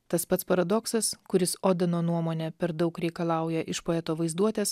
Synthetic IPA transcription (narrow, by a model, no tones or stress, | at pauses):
t̪ɐspɐt̪spɐɾɐd̪ɔksɐskʊɾʲɪsoːd̪ʲɛnoːnuɔmoːnʲɛpʲɛɾd̪ɐʊkɾʲɛɪkɐlˠɑˑʊjɛʔɪʃpoːɛt̪oːʋɐɪzd̪uɔt̪ʲeːs